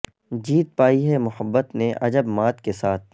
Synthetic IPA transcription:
d͡ʒiːt̪̚paːiɦɛmʊhəbːət̪nẽʔɐd͡ʒəbmaːt̪kesaːt̪̚ʰ

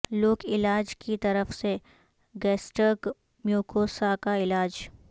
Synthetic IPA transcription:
loːkɪlaːd͡ʒkit̪ɐɾəfse | ɡɛːsʈək | mjuːkʰoːsakaɪlaːd͡ʒ

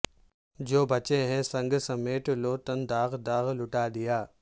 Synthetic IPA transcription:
d͡ʒoːbʱɐt͡ʃẽɦɛ̃sɐ̃ŋɡsɐmeːʈloːt̪ənd̪aːɣd̪aːɣlʊʈaːd̪ɪjaː

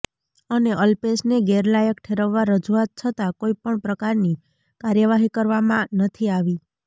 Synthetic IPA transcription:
əneʔəlpesneɡeɾlajəkʈʰeɾəʋːaɾəd͡ʒuat̪̚t͡ʃʰət̪akoipəɳpɾəkaɾni | kaɾjəʋaɦikəɾʋamãnət̪ʰiaʋi

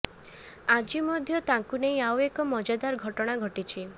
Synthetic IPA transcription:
ad͡ʒimɔd̪ʱjɔt̪aŋkuneĩawekɔmɔd͡ʒad̪aɾɡʱɔʈɔɽ̃aɡʱɔʈit͡ʃʰi

